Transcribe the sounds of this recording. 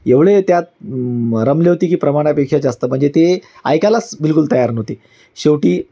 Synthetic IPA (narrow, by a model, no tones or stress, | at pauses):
eʋɭet̪jat̪̚ | ɾəmleɦot̪iːkiːpɾəmaɽ̃japekʂad͡ʑast̪əm̤əɳd͡zet̪e | a̰jkalat͡sbilkult̪əjaɾnoɦt̪iː | ɕeʋʈiː